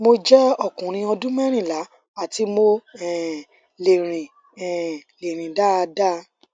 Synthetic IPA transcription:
mo˧d͡ʒɛ˦ɔ˦˨kũ˨ɾ̃ĩ˧ɔ˧dũ˦mɛ˦ɾ̃ĩ˦˨la˨˦ | a˦˨ti˨˦mo˧ɛ˨ | le˨ɾ̃ĩ˨ | ɛ˦˨le˨ɾ̃ĩ˨da˦˧da˦

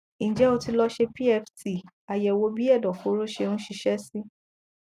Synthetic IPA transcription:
n̩ĩ˨d͡ʒɛ˦o˧ti˧lɔ˧ʃe˧pi˦ɛ˧fti˨ | a˨jɛ˧˨wo˧˦bi˦ɛ˦˨dɔ˨ko˨˦ɾo˦ʃe˧nũ˦ʃi˧ʃɛ˦si˦

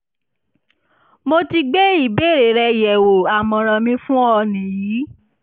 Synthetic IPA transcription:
mo˧ti˧ɡ͡be˦i˦˨be˦˨ɾe˨ɾɛ˧˨jɛ˨wo˨a˨mɔ̃˨ɾ̃ã˧mĩ˧fũ˦ɔ˧nĩ˨jiː˨˦

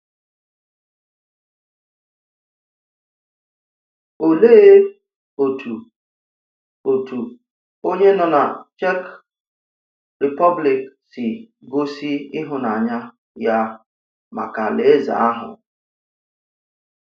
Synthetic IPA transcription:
o˨le˦˨e˦ | o˨tu˨ | o˨tu˨ | o˦ɲe˦nɔ˨na̰˨t͡ʃɛ˦k | ɾi˨pɔ˦bli˨ksi˨ | ɡo˦si˦i˦ɦʊ˨na˨ɲa˦ | ja˦ | ma̰˨ka˨le˨e˦za̰˨a˦ɦʊ̰˨

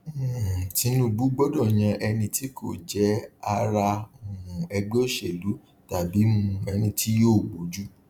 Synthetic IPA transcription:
ti˨˦nũ˦bu˨˦ɡ͡bɔ˦dɔ˦˨j̃ã˧ʔɛ˧nĩ˧ti˦kʰo̰˦˨d͡ʒɛ˨˦a˧ɾa˧o˨ũ˨ɛ˧ɡ͡be˦˨ʃe˨lu˨˦ | ta˨bi˨˦mũ˧ɛ˨˦nĩ˧tʰi˦joː˦˨ɡ͡bo˨˦d͡ʒu˦

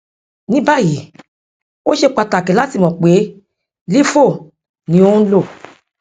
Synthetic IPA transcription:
nĩ˦ba˦˨ji˨˦ | o˦ʃe˧k͡pa˧ta˨ke˨la˦ti˦˨mɔ̃˨k͡pe˨˦ | li˦fo˦˨ | nĩ˨˦o˦lo˦˨

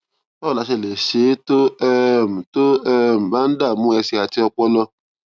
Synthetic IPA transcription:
tɔ˦˨la˨˧˦ʃe˧˨le˨ʃe˨˦to˦ɛ˧m̩˨to˦ɛ˦˧˨m̩˨ba˦n̩˦da˦˨mũ˦ɛ˧si˧a˨ti˧ɔ˧k͡pɔ˦lɔ˧

